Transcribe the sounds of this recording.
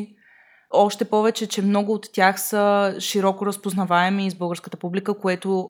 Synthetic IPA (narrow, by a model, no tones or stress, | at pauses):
ɔʃt̪ɛpɔvɛt͡ʃɛt͡ʃɛmnɔɡʊːt̪ːʲjaxsəʃiɾɔkoɾəspoznɐvaɛmiːzbɤlˠɡəɾskə̥t̪əpublikəkoɛt̪o